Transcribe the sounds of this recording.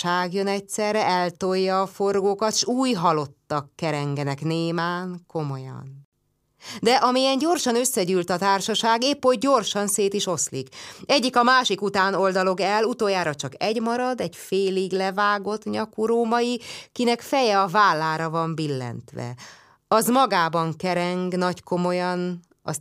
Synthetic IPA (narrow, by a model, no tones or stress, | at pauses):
aːɡjønɛcsɛrːɛʔɛlt̪o̞jːɒːfo̞rɡoːkɒt̪ʃuːjɦɒlo̞t̪ːɒkːɛɾɛŋɡɛnɛkneːmaːŋko̞mo̞jɒ̰n | d̪ɛʔɒmijɛnɟo̞rʃɒnø̞sːɛɟyːlt̪ɒt̪aːrʃɒʃaːɡeːpːoɟ̚ɟo̞rʃɒnseːt̪iʃo̞slḭkɛɟːikɒmaːʃikut̪aːno̞ld̪ɒlo̞ɡɛlːut̪oːjaːɾɒt͡ʃɒkɛɟmɒɾɒd̪ɛɟfeːliɡlɛvaːɡo̞t̪ɲɒkuɾoːmɒjikinɛkfɛjɛɒvaːlːaːɾɒvɒɱbilːɛ̰nt̪ʋɛ̰ | ɒzmɒɡaːbɒŋkɛɾɛŋɡnɒcko̞mo̞jɒn | ɒ̰s